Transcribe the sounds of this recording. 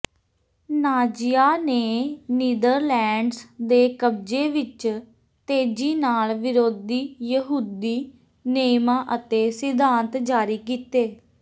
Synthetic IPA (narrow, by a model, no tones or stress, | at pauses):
naːd͡ʒɪjaːneːniːd̪əɾlɛːɳɖsd̪eːkəb̚d͡ʒeːʋɪt͡ʃ | t̪eːd͡ʒiːnaːlʋɪɾoːd̪iːjəɦuːd̪iː | neːmãːʔət̪eːsɪd̪aːnt̪d͡ʒaːɾiːkiːt̪eː